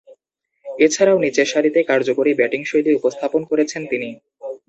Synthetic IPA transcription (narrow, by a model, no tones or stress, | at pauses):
et͡ɕʰaɾaonit͡ɕeɾʃaɾit̪ekaɾd͡ʑokoɾibɛʈiŋʃojd̪iupost̪ʰaponkoɾet͡ɕʰent̪ini